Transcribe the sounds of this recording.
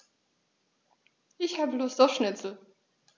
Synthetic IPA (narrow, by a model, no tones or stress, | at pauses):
ʔɪçhaːbəlʊːsd̥ɔfʃnɪt͡sl̩